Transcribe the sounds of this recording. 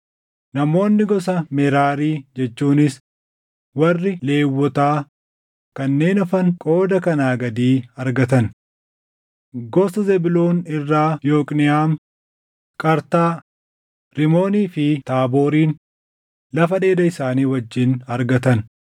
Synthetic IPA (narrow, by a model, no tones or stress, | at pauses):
nɐmo̞ːnːɪɡɔs̬ɐmɛɾaːɾiːd͡ʒɛt͡ʃːuːnɪs | wɐrːɪle̞ːwːɔt̪aː | kɐnːe̞ːnɔfɐŋkʼo̞ːd̪ɐkɐnaːɡɐd̪iːɐɾɡɐt̪ɐn | ɡɔsɐzɛbɪloːnɪrːaːjo̞ːkʼnɪaːm | kʼɐɾt̪aː | ɾɪmo̞ːniːfɪt̪aːbo̞ːɾiːn | lɐfɐᶑe̞ːd̪ɐɪsaːniːwɐd͡ʒːɪnɐɾɡɐt̪ɐn